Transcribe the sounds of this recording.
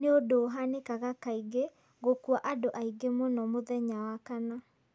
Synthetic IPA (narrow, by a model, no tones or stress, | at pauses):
neodoːɦanekaɣakaiɣe | ɣokwaʔadoʔaiɡemonɔmoðɛɲawakana